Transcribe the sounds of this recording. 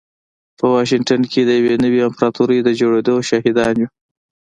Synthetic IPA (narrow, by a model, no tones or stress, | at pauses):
pəwɑʃ̬ɪŋʈankʰed̪əjawenəwiɪmpɾɑt̪uɾed̪əd͡ʒoɽed̪oʃɑɦɪd̪ɑnji